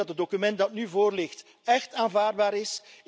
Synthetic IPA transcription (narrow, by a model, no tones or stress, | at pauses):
ɑtədokymɛnt̚dɑtnyvoːrlɪxt | ɛxtaːnvaːrd̚baːɾɪs